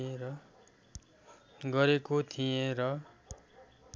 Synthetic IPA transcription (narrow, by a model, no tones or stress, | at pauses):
eɾʌ | ɡʌɾekot̪ʰijẽɾʌ